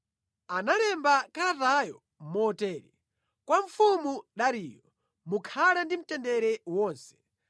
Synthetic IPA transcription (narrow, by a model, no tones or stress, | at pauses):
analɛmbakaɾatajɔ | mɔtɛːɾḭ | kwaɱ̩fumuɗaɾiːjɔ | mukʰalɛndim̩tɛndɛɾɛwɔːnsɛ̥